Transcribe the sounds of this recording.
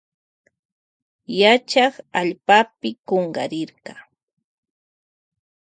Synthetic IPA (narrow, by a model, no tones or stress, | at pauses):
jat͡ʃaχaʎpapɪkoɴɢɑ̰ɾɪɾɢɑ